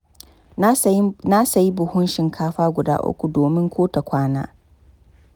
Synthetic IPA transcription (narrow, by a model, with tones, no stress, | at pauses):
na˦sɐ˨ji˦bʊ˨hʊ˦nʃɪ˨ŋkʰaː˦ɸaː˦ɡʷʊ˨da̰ː˦ʔʊ̰˦kʷu˨doː˨mɪ˦ŋkʷʰoː˦ta˨kʷʰaː˦na̰ː˦